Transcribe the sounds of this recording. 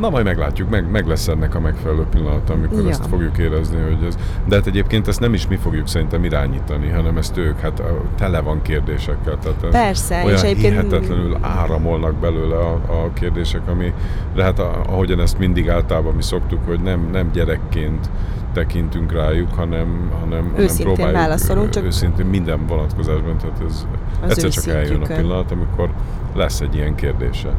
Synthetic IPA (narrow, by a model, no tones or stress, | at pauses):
nɒmɒjmɛɡlaːcːukmɛɡmɛɡlɛsɛnːɛkɒmɛkfɛlɛløːpilːɒnɒt̪ɒmiko̞ɾɛst̪fo̞ɡjukeːɾɛzniɦo̞ɟɛz | d̪ɛɦaːt̪ɛɟeːp̚keːnt̪ɛst̪nɛmiʃmifo̞ɡjuksɛɾint̪ɛmiɾaːɲiːt̪ɒniɦɒnɛmɛst̪øːkhat̪t̪ɛlɛvɒŋkeːrd̪eːʃɛkːɛlt̪ɛːt̪ɛrsɛojɒhiɦɛɛt̪lɛnyla̰ːɾɒmo̞lnɒɡ̚bɛløːlɛɒɒkeːrd̪eːʃɛkɒmi | lɛɦɛt̪ɒ̰ɦo̞ɟɒnɛst̪mind̪iɡaːlt̪ɒlːbɒmiso̞kt̪ukho̞ɟnɛmnɛmɟɛɾɛkːeːnt̪ː | ɛkint̪yŋkraːjukhɒnɛmhɒnɛmhɒnːɛmproːbaːjauːlɒsoluøːsint̪eːmmind̪ɛɱvo̞nɒt̪ko̞zaːʒbɒnt̪ɛaːt̪ɛz | ɛtːɛɾt͡ʃɒkɛljønɒpilːɒnɒt̪ɒmikʰo̞r | lɛsːɛɟːijɛŋkeːrd̪ḛːʃɛ̰